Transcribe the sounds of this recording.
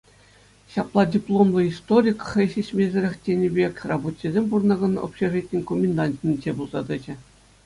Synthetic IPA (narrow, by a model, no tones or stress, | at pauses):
ɕɑplˠɑdʲiplˠomlˠɤ̆ist̪oɾʲikχɘ̆ɕeɕmʲezʲɘ̆ɾʲɘ̆xʲtʲenʲɘ̆bʲekʲrɑbot͡ɕʲːizʲemʲpurnɑɡɤ̆no̰pɕeʐitʲnʲkomʲɪnd̪ɑnʲtʲnʲid͡ʑebulˠz̥ɑd̪ɘ̆d͡ʑɘ̆